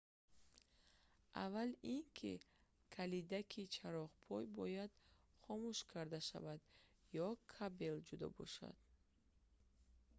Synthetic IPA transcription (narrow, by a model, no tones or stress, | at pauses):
ʔa̰valiŋkʰḭ | kʰalid̪akʰit͡ʃʰaɾɔʁpʰɔjbɔjad̪̥ | χɔmuʃkʰaɾd̪aʃa̰vad̪jɔkʰabe̞ld͡ʒud̪ɔ̰bɔ̰ʃa̰d̪̥